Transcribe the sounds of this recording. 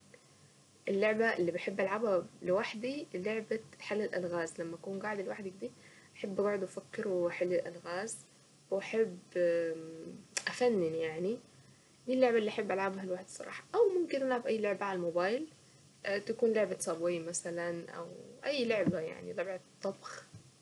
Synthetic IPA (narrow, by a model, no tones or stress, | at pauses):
ʔɪlːoʕbaʔɪlːiːbɪħebːʔalʕabhalɪwaħd̪iloʕbaħalːɪlʔa̰lɣaːzlamːaʔakuːnɡaʕd̪lwaħd̪ikd̪iː | ʔaħabːʔaɡaʕɪd̪ʔfakːɪɾwħalːɪlʔa̰lɣaːz | wʔaħebː | ʔafanːɪnjaʕni | lilːoʕbaʔɪlːiːʔaħɪbːʔalʕabhalwaħd̪sˤɑɾˤɑ̰ːħɑ̥ʔawmʊmkɪnʔalʕabʔajːlʊʕbaʕalalmobaːjl | ʔt̪akuːnloʕbasˤɑbwiːmasalanʔa̰wʔajːlʊʕbaja̰ʕnilɑbʕat̪ˤːɑbx